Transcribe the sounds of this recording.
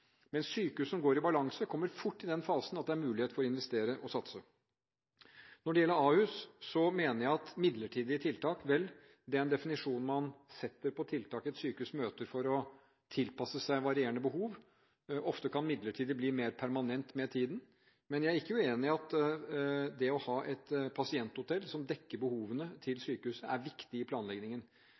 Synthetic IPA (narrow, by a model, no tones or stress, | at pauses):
mɛnssyːkʉsɔmɡoːɾɪbɑlɑŋsəkʰɔmːəɾfʊʈːɪd̪ɛnfɑːsnɑt̪̚d̪ɛæɾmʉːlɪeːt̪fɔɾɪnʋɛst̪eːɾəʔɔsɑt̪sə | nɔɖɛjɛlːəɾɑːhʉssɔmeːnəɾjæɪɑt̪mɪd̪ləʈʰiːd̪ɪət̪ʰɪlt̪ʰɑːkʋɛl | d̪ɛɛæɾɛnd̪ɛfɪnɪʂuːn̩mɑnsɛt̪ːəɾpʰɔt̪ʰɪlt̪ʰɑːkɛt̪syːkəʉsmøːt̪əɾfɔɾɔ | t̪ʰɪlpɑsəsæɪʋɑɾɪeːəɳəbəhuːʋ | ʔɔft̪əkʰɑnmɪd̪ləʈʰiːd̪əbliːmeːɾpʰæɾmɑnɛnt̪mɛt̪ʰiːd̪n̩ | mɛnjæɪæɾɪkːəjʉeːnɪɑt̪ | d̪ɛɔhɑːʔɛt̪pʰɑsɪɛnt̪hʊt̪ʰɛlːsɔmd̪ɛkːəɾbəhuːʋənət̪ʰɪlsyːkəhʉːsəæɾʋɪkt̪ɪɪpʰlɑːnlɛɡnɪŋən